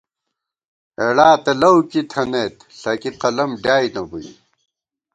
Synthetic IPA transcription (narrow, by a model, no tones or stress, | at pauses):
eɽaːt̪ɐlɐwkit̪ʰɐneːt̪ɬɐkiqɐlɐmɖaːjnɐbuj̰